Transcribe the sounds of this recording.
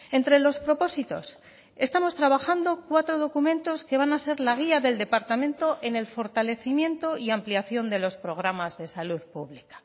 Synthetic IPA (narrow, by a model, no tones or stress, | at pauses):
e̞nt̪ɾe̞lo̞spɾo̞po̞sit̪o̞̰s | e̞st̪amo̞st̪ɾaβaxand̪o̞kwat̪ɾo̞ð̞o̞kumẽ̞nt̪o̞ske̞βanase̞ɾlaɣ̞iaðe̞ld̪e̞paɾt̪amẽ̞nt̪o̞ʔe̞ne̞lfo̞ɾt̪ale̞θimjẽ̞nt̪o̞iampliaθjo̞nd̪e̞lo̞spɾo̞ɣ̞ɾamazðe̞saluðpuβlikḁ